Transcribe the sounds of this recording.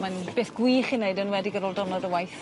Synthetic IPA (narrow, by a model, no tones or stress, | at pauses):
manb̥eːθɡ̥wiːχɪnejdənwɛdiɡəɾolˠdɔnɔdəwajθ